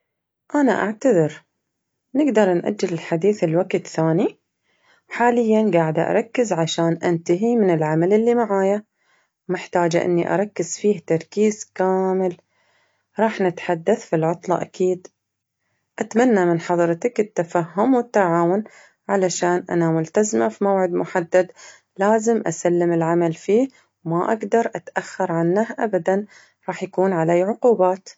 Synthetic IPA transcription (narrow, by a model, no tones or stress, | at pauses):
ʔanaʔa̰ʕt̪aðɪɾ | nɪɡd̪ɑɾˤnʔa̰d͡ʒːɪlɪlħad̪iːθɪlwaɡt̪θaːni | ħaːlɪjːanɡaːʕɪd̪ʔɑ̰ɾˤɑkːɪzʕaʃaːnʔant̪aɦimɪnɪlʕamalɪlːimaʕaːja | mɪħt̪aːd͡ʒʔɪ̰nːiʔɑ̰ɾˤɑkːɪz̥fiːht̪ɑɾˤkiːz̥kaːmɪl | ɾˤɑːħnɪt̪ħad̪ːaθfilʕʊt̪ˤlɑ̰ʔa̰kiːd̪ | ʔat̪manːamɪnħɑðˤɾˤt̪akɪt̪ːafaɦːʊmwɪt̪ːaʕaːwʊn | ʕalaʃaːnʔa̰namʊlt̪azmafimawʕɪd̪mʊħad̪ːad̪ | laːzɪmʔasalːɪmɪlʕamalfiː | wmaʔaɡd̪ɑɾˤʔat̪ʔaxːɑɾˤʕanːahʔabad̪an | ɾˤɑːħjakuːnʕalaːʕʊquːbaːt̪